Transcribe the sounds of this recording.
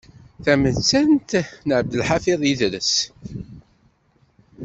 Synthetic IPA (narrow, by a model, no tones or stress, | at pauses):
θæmənt͡sːænt̪nəʕəb̚d̪əlħafiðˤjiðɾəs